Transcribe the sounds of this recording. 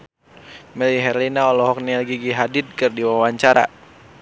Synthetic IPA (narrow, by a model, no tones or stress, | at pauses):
mɛliɦɛrlinaɔlɔɦɔk̚nilɡiɡiɦadɪt̪̚kɨrdiwawaɲt͡ʃaɾa̰